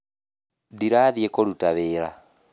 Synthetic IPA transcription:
diɾaðjɛkʼɔlutʼaβɛːɾa̰

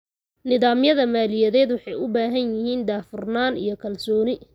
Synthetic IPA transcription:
nɪðaːmjɐðɐmaːlɪjɐðɛːd̪wɑħɑjʊbaːɦɐnjɪɦiːnd̪aːfʊrnaːnḭjɞkʰɐlsɔːnɪ

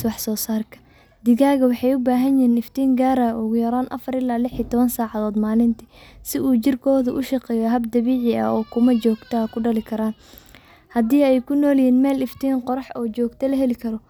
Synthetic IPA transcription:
wɑħsɔːsaːrkʰɐ̥ | d̪ɪɣaːɣɐwɑħɑjʊbaːɦɐnjiːnɪft̪ʰiːŋɡaːɾaʔʊɣʊjɐɾaːnʔɐ̰fɐɾɪlaːlɪħiːt̪ʰɔβɐnsaːʕɑðɔːd̪maːlɪnt̪ʰɪsɪʔuːt͡ʃɪrkʰɔːðʊʔʊʃɑqɛːjɔɦɐbd̪ɐβiːʕɪɐ̰ɔːkʰʊmɐt͡ʃɔːɡt̪ʰɐkʰʊɖɐlɪkʰɐɾaːn | hɐd̪iːɛjkʰʊnɔːljiːnmɛːlɪft̪ʰiːnqɔɾɑħɔːt͡ʃɔːɡt̪ʰɐlɐɦɛlɪkʰɐɾɔ

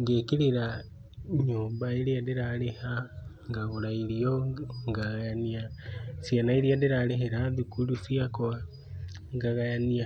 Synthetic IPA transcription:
ŋɡekiɾiɾa | ɲuːmbaiɾiadiɾaleha | ŋɡaɣulailioŋɡaɣajaniasjanaiɾiadiɾaleɦeɾaðukulusiakoa | ŋɡaɣajania

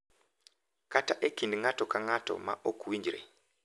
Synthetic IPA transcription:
kataʔekindiŋatokaŋato̰ma̰ʔokuwiɲd͡ʒiɾḛ

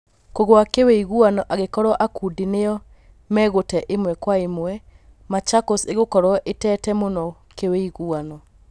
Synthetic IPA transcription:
koɣoakeweiɣuanɔʔaɣekɔɾɔʔakudineɔ | mɛɣotɛʔemwɛkwaemwɛ | mat͡ʃakoseɣokɔɾɔʔetɛtɛmonɔkeweiɣuanɔ

